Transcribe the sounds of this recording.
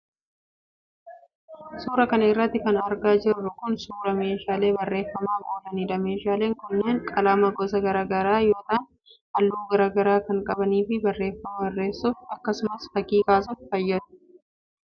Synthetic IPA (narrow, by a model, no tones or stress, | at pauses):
suːɾɐkɐnɐɪrːɐt̪ːɪkɐnɐɾɡaːd͡ʒɪrːʊkʊnsuːɾɐme̞ːʃaːle̞ːbɐrːe̞ːfːɐmaːkʼoːlɐniːᶑɐme̞ːʃaːle̞ːŋkʊnːeːŋkʼɐlaːmɐɡɔsɐɡɐɾaːɡɐɾaːjo̞ːt̪aːn | hɐlːuːɡɐɾaːɡɐɾaːkɐŋkʼɐbɐniːfɪbɐrːe̞ːfːɐmɐɐrːe̞ːsːʊfɐkːɐsʊmɐsfɐkiːkaːs̬ʊffɐjːɐd̪ʊ̥